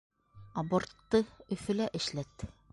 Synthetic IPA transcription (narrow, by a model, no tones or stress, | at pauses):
ɐbort̪ːɤɵ̆fɘ̆læʔɘ̆ʃlæt̪